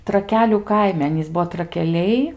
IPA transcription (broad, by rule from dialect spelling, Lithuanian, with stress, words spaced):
trɐˈkʲæːlʲuː ˈkɐɪmʲɛ ˈɑːnʲiːs ˈbuɔ trɐkʲɛˈlʲɛɪ